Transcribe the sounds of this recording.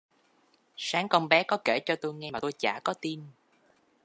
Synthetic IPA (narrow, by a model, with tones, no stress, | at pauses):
saː˨˦ŋkɔ˧nɓɛ˨˦kɔ˨˦ke˧˩t͡ɕɔ˧t̪o˧jŋɛ˧maː˨˩t̪o˧jt͡ɕa̰ː˧˩kɔ˨˦t̪i˧n